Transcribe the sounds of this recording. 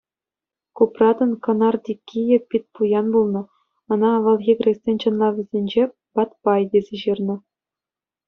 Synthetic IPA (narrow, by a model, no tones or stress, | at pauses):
kuprɑd̪ɤ̆nkɤ̆nɑrd̪ʲikʲːijɘ̆k̚pʲit̚ʲpujɑnbulˠnɤ̆ | ɤ̆nɑʋɤ̆lˠɣʲiɡʲrʲesʲenʲt͡ɕɤ̆nlˠɑʋʲɘ̆zʲenʲd͡ʑe | pɑt̪pɑjd̪ʲezʲeʑɯrnɤ̆